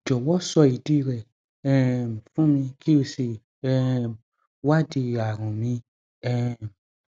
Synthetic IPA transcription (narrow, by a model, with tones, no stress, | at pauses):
d͡ʒɔ˨wɔ˦sɔ˧i˨di˦˧ɾɛ˨ | ɛ˦˨m˨fũ˦mĩ˧kʰi˦o˧se˧ | ɛ˦ | wa˦di˧˨a˨ɾ̃ũ˨mĩ˧ | ɛ˦˨m